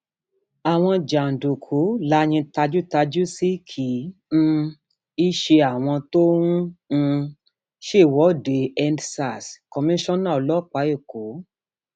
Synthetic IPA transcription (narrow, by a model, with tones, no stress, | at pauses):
a˨w̃ɔ̃˧d͡ʒa˨n̩˨do˨kʰu˨˦la˨˦ɲ̃ĩ˧ta˧d͡ʒu˦ta˧d͡ʒu˦si˦kʰĩ˨˦˧ | i˦ʃe˧a˨w̃ɔ̃˧to˦ũ˦˧ | ʃe˦˨wɔ˨˦˨de˨ɛ˧ndsa˨skɔ˧mĩ˦ʃɔ̃˦nã˦˨ɔ˧lɔ˦˨k͡pa˨˦e˦˨ko˨˦